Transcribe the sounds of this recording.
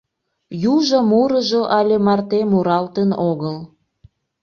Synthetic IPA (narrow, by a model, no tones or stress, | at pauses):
juʒomuɾəʒoʔɑlʲemɑrt̪emuɾɑlt̪enoɣəl